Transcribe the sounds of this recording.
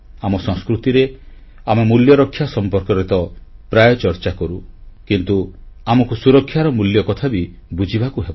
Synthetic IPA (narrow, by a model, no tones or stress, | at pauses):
amɔsɔ̃ŋskɾut̪iɾe | amemuljɔɾɔkʰːjasɔmpɔɾkɔɾet̪ɔpɾajɔt͡ʃɔɾt͡ʃakɔɾukint̪uamɔkusuɾɔkʰːjaɾɔmuljɔkɔt̪ʰabi | bud͡ʒʱibakuɦebɔ